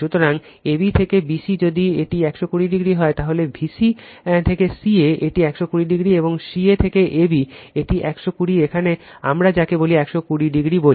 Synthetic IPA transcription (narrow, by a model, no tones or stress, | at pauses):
ut̪oɾaŋ | ebit̪ʰekebiʃid͡ʑod̪ieʈiɛkʃokuɽiɖiɡɾiɦɔet̪aɦolebʱisit̪ʰekesieʔeʈiɛkʃokuɾiɖiɡɾieboŋʃiet̪ʰekeʔebieʈiʔɛkʃokuɽiekʰanea̰mɾad͡ʑakeboliɛkʃokuɽiɖiɡɾibo